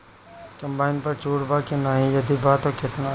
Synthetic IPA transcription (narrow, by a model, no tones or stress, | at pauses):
kɐ̃mbaːɪnpɐɾt͡ʃoːɽbaːkinaːɦĩjɐd̪ibaːt̪oket̪na